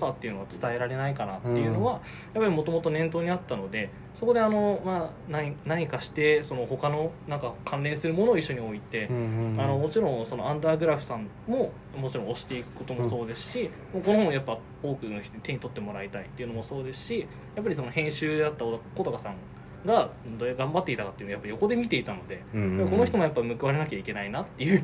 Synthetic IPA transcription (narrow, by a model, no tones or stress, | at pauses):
osat̪ːe̞iɯ̟no̞at͡sɨ̥t̪ae̞ɾaɾe̞naikanat̪ːe̞jɯ̟no̞βa | japːaɾʲimo̞t̪o̞mo̞t̪o̞nẽ̞nt̪o̞ːɲ̟iat̪ːano̞d̪e̞ | so̞ko̞d̪e̞ano̞ma | nanaɲ̟ikaɕi̥t̪e̞so̞no̞ho̞kano̞nãŋkakʰãnɾẽ̞ɰ̃sɨɾɯ̟mo̞noːiɕːo̞ɲ̟io̞it̪e̞ano̞mo̞t͡ɕiɾõ̞ɰ̃so̞no̞ãnd̪aːɡɯ̟ɾaɸɯ̟sãm | mo̞ | mo̞t͡ɕiɾõ̞oɕi̥t̪e̞ikɯ̟̥ko̞t̪o̞mo̞so̞ːd̪e̞sɨ̥ɕi | mako̞nohõjapːa | o̞ːkɯ̟noçit̪ot̪e̞ɲ̟it̪o̞t̪ːe̞mo̞ɾait̪ait̪ːe̞iɯ̟no̞mo̞so̞ːd̪e̞sɨ̥ɕi | japːaɾʲis̬o̞no̞hẽ̞ɰ̃ɕɨːd̪at̪ːaod̪ko̞t̪okasãŋ | ɡad̪oɾeɡãmbat̪ːe̞it̪akat̪eiɯ̟nojapːjo̞ko̞d̪e̞mʲit̪e̞it̪ano̞d̪e̞japːako̞no̞çʲit̪o̞mojapːaimɯ̟kɯ̟βaɾe̞nakʲaikʲe̞nainat̪ːe̞jɯ̟